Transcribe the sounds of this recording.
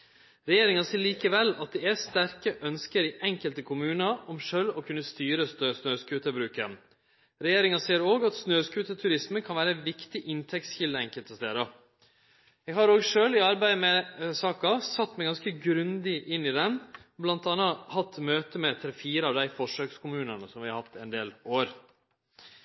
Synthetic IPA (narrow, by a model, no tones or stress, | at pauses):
ɾɛjeːɾɪŋɑsiːɾɭiːkəʋɛlːɑt̪̚d̪ɛæst̪æɾkəʔœnskəɾɪʔɛŋkəlt̪əkʰʊmʉːnɑɔmʂøːlɔkʰʉnːəst̪yːɾəsnøːsnøːskʉːt̪əbɾʉːkə̰n | ɾɛjeːɾɪŋɑseːəɾoːɡɑt̪snøːskʉːt̪ət̪ʰʉɾɪsməkʰɑnʋæːɾəænʋɪkt̪ɪʔɪnt̪ʰɛk̚t̪sçɪld̪əɾɛŋkəlt̪əst̪ḛːɾɑ | ɛɡhɑɾoːɡʂøːlɪɑɾbæɪmɛsɑːkɑsɑt̪ːmæɪɡɑnskəɡɾʉnd̪ɪʔɪnːɪd̪ɛnblɑnt̪ɑnːɑhɑt̪ːmøːt̪əmɛt̪ʰɾɛfiːɾəɑʋd̪æɪfɔʂøːkskʰʊmʉːnənəsɔmʋɪhɑɾhɑt̪ːɛnd̪eːloːɾ